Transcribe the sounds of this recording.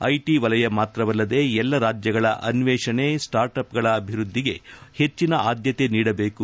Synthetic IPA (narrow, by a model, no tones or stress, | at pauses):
ɐjʈiʋɐlɐjɐmaːt̪ɾɐʋɐlːɐd̪e̞ɛlːɐɾaːd͡ʒjɐɡɐɭɐ̰ʔɐnʋeːʂɐɳesʈaːɾʈɐpɡɐɭɐːbʱiɾud̪ʱːiɡe̞he̞t͡ʃːinɐʔaːd̪jɐt̪e̞niːɽɐbe̞ːku